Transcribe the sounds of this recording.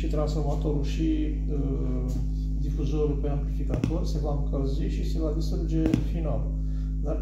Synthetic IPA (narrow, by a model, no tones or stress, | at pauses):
ʃit̪ɾansfo̞rmat̪o̞ɾuʃi | ə | d̪ifuzoɾulpeamplifikat̪orʲsevamkəziʃisevad̪ist̪ɾud͡ʒefinal | d̪ar